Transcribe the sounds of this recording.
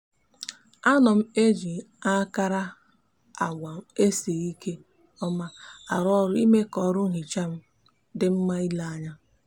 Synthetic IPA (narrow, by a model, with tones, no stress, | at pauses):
a˦nɔ˨m̩˦e˦d͡ʒi˨˦a˦ka˦ɾa˦ | a˨ɡʷa˨m̩˦e˦se˨i˦kʰe˦ | ɔ˦ma˦a˨ɾɔ˦ɾʊ˦i˦me˦kɔ˨˦ɾʊ˦ŋ̩˦ɦi˨t͡ʃa˦m̩˦ | dɪ˦m̩˦ma˦i˦la˦a˦ɲa˦